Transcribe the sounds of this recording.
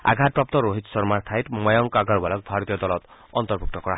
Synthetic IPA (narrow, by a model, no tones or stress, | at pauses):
a̰ɡʱat̪̚pɾɔp̚t̪ɔɾoɦit̪sɔɾmaɾt̪ʰajtmɔjɔŋkaɡɔɾbalɔk̚bʱaɾɔt̪ijɔd̪ɔlɔt̪ɔnt̪ɔɾbʱuk̚t̪ɔkɔɾa